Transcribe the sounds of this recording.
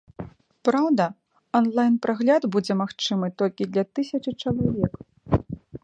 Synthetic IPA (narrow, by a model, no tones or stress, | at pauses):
pɾawd̪ɐ | ɔnlˠajnpɾaɣlʲad̪bud͡zʲɛmaxt͡ʂɨmɨt̪ɔlʲkʲid̪lʲɐt̪ɨsʲɐt͡ʂɨt͡ʂɐlˠavʲɛk